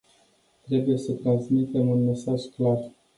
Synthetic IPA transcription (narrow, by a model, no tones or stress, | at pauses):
t̪ɾe̞buje̞sət̪ɾansmit̪e̞munme̞saʒklar